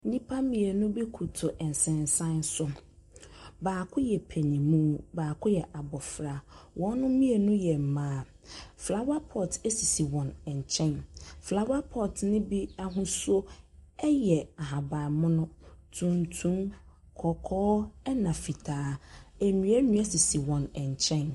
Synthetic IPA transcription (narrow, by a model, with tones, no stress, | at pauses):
nĩ˦pʰa˦mĩ˨e˨nʊ̃˦be˦kʰu˨tʰʊ˨ʔɛ˨n̩˨sɛ̃˨n˨sã˦n˦sʊ˦ | baː˨kʰʊ˦jɛ˨pʰɛ˨nĩ˨mũ˦baː˨kʰʊ˦jɛ˨ʔa˨bɔ˨fɾa˨wʔɔ̃˨˦nʊ̃˦mĩ˦e˨nʊ̃˦jɛ˨m̩˨mãː˦ | fla˦wa˦pʰɔ˦˨te˦si˨si˨wɔ̃˨nɛ̃˨ɲ˨t͡ɕʰɛ̃˦nfla˦wa˦pʰɔ˦˨tnɪ̃˦bi˦a˦ɦʊ̃˦so˦ɛ˦jɛ˨a˨ɦa˨ba˨mʊ̃˦nʊ̃˦tʰũ˦mtʰũ˦m | kʰɔ˨kʰɔː˦ɛ˦nã˨fi˨tʰaː˨˦æ˨mĩ˨æ˦mĩ˦æ˦si˨si˨wɔ̃˨nɛ̃˨ɲ˨t͡ɕʰɛ̃˦n